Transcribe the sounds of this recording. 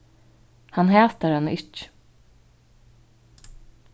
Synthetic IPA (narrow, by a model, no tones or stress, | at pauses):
hanɦɛːt̪aɾanɪt͡ʃ